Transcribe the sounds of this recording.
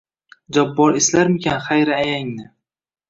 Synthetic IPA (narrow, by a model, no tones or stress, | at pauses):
d͡ʒabːɒɾɪslaɾmɪkʲʰanχajɾaajaŋnɪ